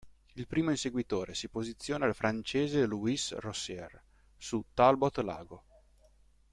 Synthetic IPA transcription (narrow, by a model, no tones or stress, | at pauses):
ilpɾiːmoinseɡwit̪oːɾesipozit̪sːjoːnaːlfɾʔant͡ʃeːzeluisrosɛr | sut̪albot̪la̰ːɡo